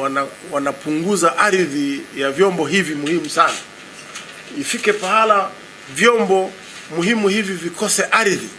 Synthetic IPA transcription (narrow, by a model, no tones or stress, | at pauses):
ana | wanapuŋɡuzaʔaɾiðijavjɔmbɔɦivimuhimusana | ifikɛpahala | vjɔmbɔ | muhimuhivivikɔsɛʔaɾiði